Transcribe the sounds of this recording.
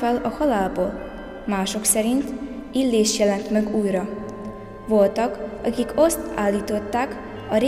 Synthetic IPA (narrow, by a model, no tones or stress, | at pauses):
ɛlɒhɒlaːlboːl | maːʃo̞ksɛɾint̪ilːeːʃjɛlɛnt̪mɛɡuːjrɒ | ʋo̞lt̪ɒkɒkiko̞st̪aːlːiːt̪o̞t̪ːaːk | ɒɾe